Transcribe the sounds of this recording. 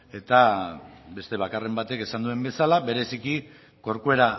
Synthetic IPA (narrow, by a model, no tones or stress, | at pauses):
e̞t̪abe̞st̪e̞β̞akare̞mbat̪e̞ke̞sand̪ue̞mbe̞salaβe̞ɾe̞siki | ko̞ɾkue̞ɾa